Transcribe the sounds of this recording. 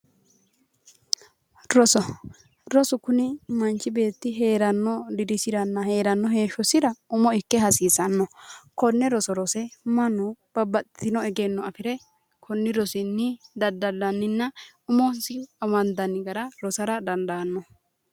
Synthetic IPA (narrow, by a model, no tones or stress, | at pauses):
ɾɔsɔ | ɾɔsʊkʊnɪmɐnt͡ʃːɪbe̞ːt̪ːɪɦe̞ːɾɐnːɔd̪ɪd̪ɪsɪɾɐnːɐhe̞ːɾɐnːɔɦe̞ːʃɔsɪɾɐʊmɔɪkːɛɦɐsiːsɐnːɔkɔnːɛɾɔsɔɾɔsɛmɐnʊb̥ɐbɐt̪t̪ɪnɔɛɡɛnːɔɐfɪɾɛ | kʰɔnːɪɾɔsɪnːɪd̪ɐd̪ːɐdɐnːɪnːɐ | ʊmɔnsɪɐmɐnd̪ɐnːɪɡɐɾɐɾɔsɐɾɐd̪ɐnd̪ɐnːɔ